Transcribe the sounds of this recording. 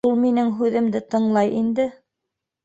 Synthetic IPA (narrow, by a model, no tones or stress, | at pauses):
ulˠminɘŋɦʉðɘ̆md̪ɘt̪ɤ̆ɴlˠɑjʔind̪ɘ